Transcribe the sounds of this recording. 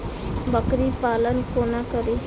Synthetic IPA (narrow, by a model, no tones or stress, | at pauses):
bəkɾipalənkonakəɾi